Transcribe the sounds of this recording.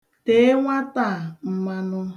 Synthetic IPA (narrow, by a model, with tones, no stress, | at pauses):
te˦ŋʷa˦ta˦˨m̩˦ma˦nʊ˦